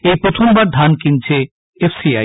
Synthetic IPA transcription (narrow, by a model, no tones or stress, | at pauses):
ejpɾot̪ʰombaɾd̪ʱankint͡ɕʰe | epʰsiaj